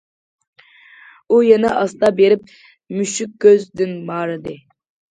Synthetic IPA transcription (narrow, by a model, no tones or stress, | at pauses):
ujɛnɛʔɑst̪ɑbeɾɪp̚ | myʃyk̚ʲːøzd̪ɪnmɑːɾɨd̪ɨ